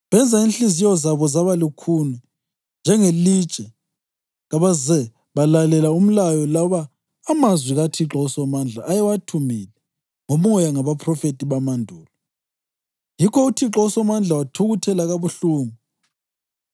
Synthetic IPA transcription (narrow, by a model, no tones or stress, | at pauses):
βɛnd͡zʱainɬizijɔzaβɔzaβalikʰunɛ | nd͡ʒʱɛŋelit͡ʃʼɛ | ɣaβazɛ | βalalɛlaum̩lajɔlaβaː | mazwiɣatʰiǁɔusɔmand͡ɮʱaʔːjɛwatʰumilɛ | ŋomɔjaŋaβapʰrɔfetʼiβamandʱuːlɔ | jikʰɔutʰiǁɔusɔmand͡ɮʱawatʰuɣutʰɛlaɣaβuɬuːŋu